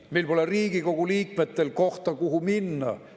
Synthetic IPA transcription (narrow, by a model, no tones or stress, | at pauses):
melpo̞leriːɡ̥iko̞ɡ̥uliːkme̞t̪ːˑe̞lko̞ht̪ɑkuɦuminːɑ̰